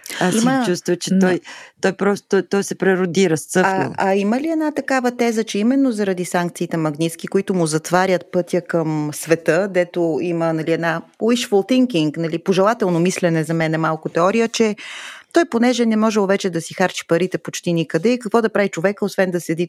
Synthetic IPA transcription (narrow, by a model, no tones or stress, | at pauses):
asimət͡ʃust̪vət͡ʃɛt̪ɔjt̪ɔjpɾɔst̪o̥t̪ɔt̪ɔjsɛpɾɛɾod̪iɾəst̪sɤt̪ɐiməliɛd̪nat̪ɐkavət̪ɛzət͡ʃɛimɛnːozɐɾɐd̪isaŋkt̪siːt̪ɛmɐɡnit̪sk̟ikoit̪ʊmʊzɐt̪vaɾʲət̪pɤt̪ʲjəkəmsvɛt̪ɤd̪ɛt̪oimənɐliɛd̪nawiʃfolˠt̪iŋkiŋknɐlipoʒɛlˠat̪ɛlˠnomislɛnɛzɐmɛnɛmalˠkʊt̪ɛɔɾijət͡ʃɛt̪ɔjponɛʒɛnɛmɔʒɛlˠvɛt͡ʃɛd̪ɐsixaɾt͡ʃi̥pɐɾit̪ɛpot͡ʃt̪inikɐd̪ɛikɐkvɔd̪ɐpɾavit͡ʃovɛkəosvɛnd̪ɐsɛd̪i